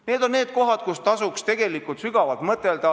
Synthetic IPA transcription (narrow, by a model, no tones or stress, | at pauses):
ne̞ːd̪o̞nneːd̪̚ko̞ɦɑd̪̥̚kust̪ɑsukst̪e̞ɡ̥e̞likult̪syɡ̥ɑvɑlt̪mɤt̪ːˑeld̪̥ɑ